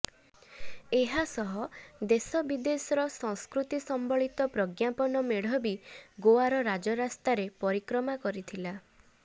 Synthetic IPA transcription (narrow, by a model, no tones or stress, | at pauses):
eɦasɔɦɔd̪esɔbid̪esɔɾɔsɔ̃ŋskɾut̪isɔmbɔɭit̪ɔpɾɔɡjapɔnɔmeɽ̤ɔbiɡoaɾɔɾad͡ʒɔɾast̪aɾepɔɾikɾɔmakɔɾit̪ʰila